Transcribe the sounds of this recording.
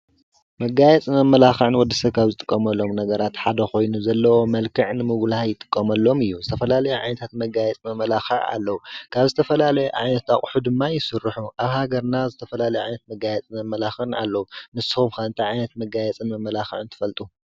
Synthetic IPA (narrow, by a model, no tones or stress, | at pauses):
mɐɡajɛt͡sʼmɐmːɐlaxɨʕɨnwɔd̪ːɨsɐβkʰaβzɨt̪ʼɨkʼːɐmɐlːo̞mnɐɡɐɾat̪ħad̪ɐxo̞jnuzɐlːɐwo̞mɐlkʰɨʕnɨmɨɡlhajɪt̪ʼɨ̥kʼːɐmɐlːo̞mɨjːuzɨt̪ʰɐfɐlalɐjuʕa̰jnɐt̪ʰat̪mɐɡajɛt͡sʼmɐmːɐlaxɨʕa̰lːɐwukʰaβzɨt̪ʰɐfɐlalɐjɛʕajnɐt̪aχʼħud̪ɨmːajɪsɨɾːɨħuʔaβhaɡɐɾnazɨt̪ʰɐfɐlalɐjɛʕajnɐt̪̚mɐɡajɛt͡sʼnmɐmːɐlaxɨɨna̰lːɐwunɨsɨxumkaɨnt̪ʰajʕajnɐt̪mɐɡajɛt͡sʼɨnmɐmːɐlaxɨʕɨnt̪ʰɨ̥fɐlt̪ʼu